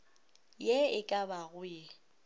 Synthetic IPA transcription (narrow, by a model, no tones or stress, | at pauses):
jɛɪkʼabaɣʊjɛ